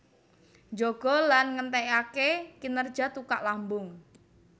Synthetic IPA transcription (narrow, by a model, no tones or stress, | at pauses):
d͡ʒoɡ̥ɔ̤lanŋənt̪ɛjakekinərd̥ʒ̥a̤t̪ukaʔlambʊŋ